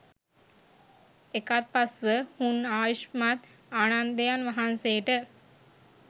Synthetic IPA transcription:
ekat̪̚pasʋəhunaːʋiʃmat̪ | aːnand̪əjanʋaɦanseːʈə

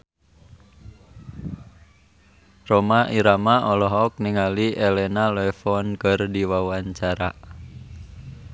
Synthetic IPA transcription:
romaʔiɾamaʔɔlɔɦɔk̚niŋaliʔelɛnalɔɛfɔnkərdiwawaɲt͡ʃaɾa

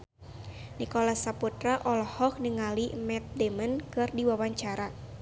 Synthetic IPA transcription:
nikɔlasaput̪ɾaʔɔlhɔk̚nəŋalimɛt̪̚demənkɨrdiwawaɲt͡ʃaɾa

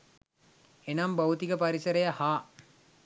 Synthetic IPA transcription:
enambawut̪iɡəpaɾisɐɾejahaː

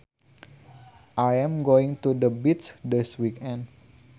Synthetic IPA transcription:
ʔajɛ̃mɡoɪŋt̪udəbit̪sdɪswikɛ̃nd

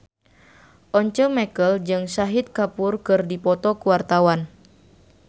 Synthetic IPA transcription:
ʔɔɲt͡ʃəmɛkəld͡ʒɨŋsaɦit̪̚kapurkɨrdipɔt̪ɔkuwart̪awan

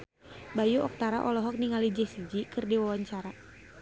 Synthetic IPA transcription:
bajuɔk̚t̪aɾaʔɔlɔɦɔk̚niŋalid͡ʒɛsid͡ʒikɨrdiwawaɲt͡ʃaɾa

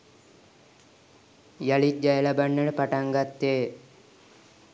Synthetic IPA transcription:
jalid͡ʒajəlabanːənəpaʈaŋɡat̪ːeː

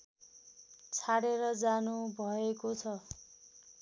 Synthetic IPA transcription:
t͡sʰaɽeɾʌd͡zanubʱʌekot͡sʰʌ

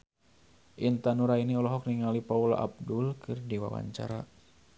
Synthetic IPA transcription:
ʔint̪anuɾainiɔlɔɦɔk̚niŋalipaula̰ʔa̰b̚dulkʰɨrdiwa̰wa̰ɲt͡ʃaɾa

